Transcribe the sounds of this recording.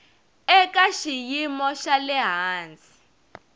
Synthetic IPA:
ɛkʼaʃijimɔʃalɛɦaːnd͡zʱi̥

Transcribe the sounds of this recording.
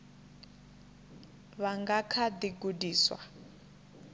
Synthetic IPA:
βaŋɡakʰad̪iɡudiːswa̰

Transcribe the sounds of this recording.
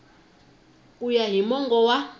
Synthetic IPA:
ujaɦimɔŋɡɔwa

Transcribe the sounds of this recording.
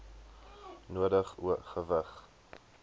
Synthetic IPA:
nuədəχṵəχəvəχ

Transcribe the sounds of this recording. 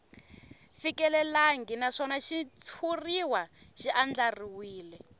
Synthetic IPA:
fikɛlɛlaŋɡinaʂɔnaʃit͡sʰuriwaʃiʔand͡ɮariwiːlɛ

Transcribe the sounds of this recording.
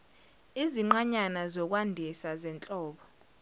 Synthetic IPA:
iziŋ͡ǃaɲanazɔk̬ʼwandʱisazɛnt͡ɬʼɔːɓɔ

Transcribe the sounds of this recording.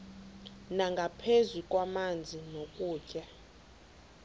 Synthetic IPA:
naŋɡʱapʰezikʼwamand͡zʱinokʼuːcʼɛ

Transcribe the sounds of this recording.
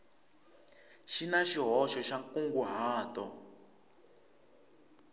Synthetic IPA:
ʃinaʃiɦɔʃɔʃakuŋɡuɦaːtɔ

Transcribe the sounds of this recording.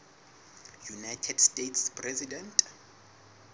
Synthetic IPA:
junajtʰɛdstʼetʰspʰrɛzidɛntʼ

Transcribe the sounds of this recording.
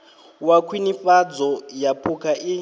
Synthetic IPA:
wakʰwiniɸad͡zɔjapʰukʰaʔi

